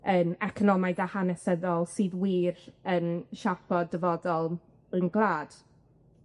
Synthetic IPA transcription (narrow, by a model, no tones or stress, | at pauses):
ənɛkʰɔnɔmajdahanɛsəðɔlˠsiːðwiːɾənʃapʰɔdəvɔdɔlˠ | ənɡlˠaːd̥